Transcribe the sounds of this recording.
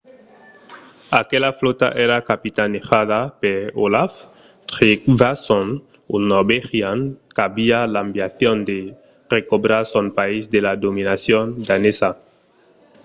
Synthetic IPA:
akelaflot̪a̰ʔeɾakapit̪anexaðapeɾolaf | t̪ɾikvason | unoɾbexjankaβialambjaθjond̪e | rekobɾasonpaizd̪elad̪omĩnasjond̪anesa

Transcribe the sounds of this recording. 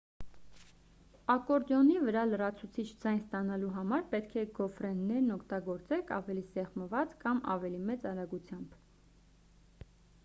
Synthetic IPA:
ɑkɔɾd̪jɔnivəɾɑlərɑt͡sʰut͡sʰit͡ʃʰd͡zɑjnst̪ɑnɑluɦɑmɑɾpɛt̪kʰɛɡɔfɾɛnːɛɾnɔkʰt̪ɑɡɔɾt͡sɛkʰɑ̰vɛlisɛʁməvɑt͡skɑmɑ̰vɛlimɛt͡sɑɾɑɡut͡sʰjɑmb̥

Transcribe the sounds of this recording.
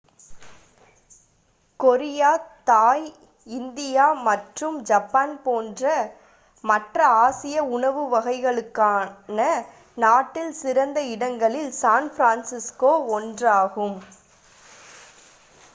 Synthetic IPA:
kɔɾɪjaːt̪aːj | ɪnd̪ɪjaːmɐʈrɯmd͡ʒɐpːaːnpoːndrɐ | mɐʈrɐaːsɪjɐʊɳɐʋɯʋɐɣɐɪɣɐɭɯkːaːnɐ | naːʈːɪlsɪɾɐnd̪ɐɪɽɐŋɡɐɭɪlsaːnfɾaːnsɪskoːɔndraːɣɯm

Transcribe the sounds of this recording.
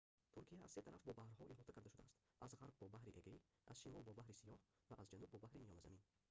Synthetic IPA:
t̪ʰuɾkʰija̰ːz̥set̪ʰaɾʔafbɔbahɾɦɔʔilhɔt̪akʰaɾd̪aʃud̪aːst̪ | ʔazʁaɾb̚bɔbahɾiʔeɡai | ʔa̰zʃimɔlˠbɔbahɾisijɔh | vaʔːzd͡ʒanub̚ːɔbahɾimijɔnaza̰min

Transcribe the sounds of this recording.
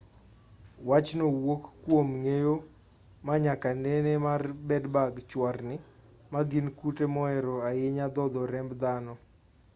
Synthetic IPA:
wat͡ʃnowokːwomŋejo | maɲakanenemarbɛdbaɡt͡ʃwarnɪ | maɡinkutemɔɛɾɔaɪɲad̪ɔd̪ɔɾɛmbd̪anɔ

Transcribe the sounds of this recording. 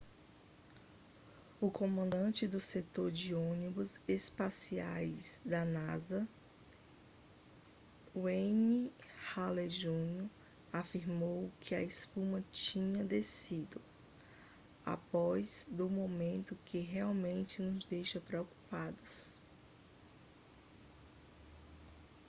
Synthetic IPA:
ʊkõmɐ̃nd̪ɐ̃nt͡ʃɪd̪ʊset̪oɾd͡ʒɪõnibʊzespasiajzd̪ɐnazɐ | wẽnihaleʒũno | afiɾmowkʰɪɐespũmɐt͡ʃĩɲɐd̪esid̪ʊ | a̰pɔz̥d̪ʊmomẽnt̪ʊkʰɪɦeawmẽnt͡ʃɪnʊzd̪ejʃɐpɾeoku̥pad̪ʊs

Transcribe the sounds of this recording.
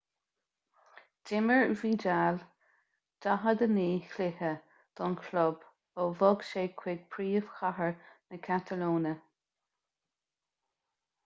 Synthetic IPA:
d̥ɪməɹviːd͡ʒaːl | d̥aɦəd̪əniːxlɪhə | d̪̥ɔnkʰlʊb | ovɔɡʃeːkʰwɪɡ̥̚pʰɾiːəv̥xaɦəɹnəkʰat̪ʰəloːnə

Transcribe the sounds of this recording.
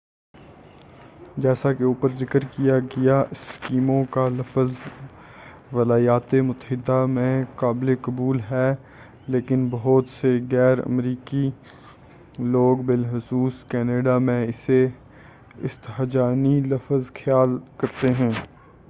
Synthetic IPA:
d͡ʒɛːsakeuːpəɾzɪkəɾkijaɡijaʔɪskiːmõkalɐfz | ʋɐlaːjaːt̪emʊt̪əɦɪd̪ːamẽkaːblekɐbuːlɦɛː | leːkɪnbɐɦɔt̪seɣɛːɾə̰mɾiːki | loːɡbɪlɦʊsuːskɛːneːɖamẽɪse | ɪst̪ɦd͡ʒaːnilɐfzxʰjaːlkɐɾt̪eɦɛ̃ː

